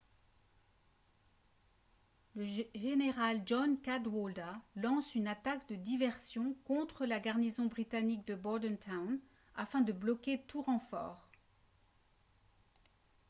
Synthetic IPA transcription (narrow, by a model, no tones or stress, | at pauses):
ləʒeneʁald͡ʒɔnkad̪wɔld̪alɑ̃synat̪akd̪əd̪ivɛʁsjɔ̃kɔ̃t̪χəlaɡaʁnizɔ̃bʁit̪anik̚d̪əbɔʁd̪ɛnt̪ʰawn | afɛ̃d̪əblɔkʲet̪uʁɑ̃fɔ̰ːʁ